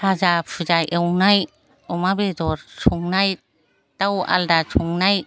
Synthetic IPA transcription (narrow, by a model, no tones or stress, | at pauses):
ad͡ʒapʰɯd͡ʒajʔewŋnaj | ɔmabedɔɾt͡ʃʰuŋnaj | tawa̰ldat͡ʃʰuŋnaj